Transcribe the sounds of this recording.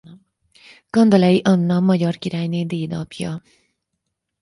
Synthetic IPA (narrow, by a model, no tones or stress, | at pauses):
kʌnd̪ʌlɛiʔʌnːʌmʌd͡ʑʌrkiɾajned̪eːd̪ʌpʰjʌ